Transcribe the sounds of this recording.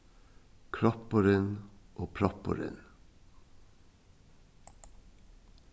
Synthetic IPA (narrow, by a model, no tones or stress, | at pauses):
kʰɹɔpəɾənʔoːpʰɾɔpə̰ɾə̰n